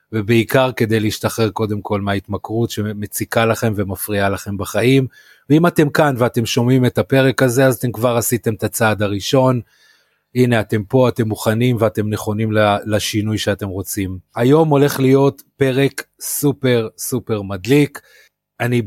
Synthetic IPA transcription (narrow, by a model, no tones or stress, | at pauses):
vebeikaʁke̞d̪ejleiʃt̪aχe̞ʁko̞d̪e̞mkʰo̞lmeait̪makʁutʃe̞me̞t͡sikalaχe̞mve̞mafʁialaχe̞mbaχaim | veimate̞mkanveat̪e̞mʃo̞mime̞tape̞ʁe̞kaze̞azat̪e̞mkvaʁasit̪e̞mt̪at͡saːd̪aʁiʃo̞n | ine̞at̪e̞mpo̞ate̞mːuχanimveate̞mne̞χo̞nimlalaʃinujʃeate̞mʁo̞t͡simajo̞mo̞le̞χlijo̞t | pe̞ʁe̞k | supe̞ʁsupe̞ʁmad̪lik | ani